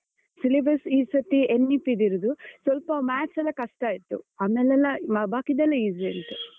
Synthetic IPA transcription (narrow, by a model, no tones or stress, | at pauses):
silibɐsiːsɐt̪ːienːipːid̪iɾud̪usʋɐlpɐmaːʈsɐlːɐkɐʂʈaːjit̪ːṵaːmɛlɛlːɐabaːkid̪ɛlːɐiːzient̪u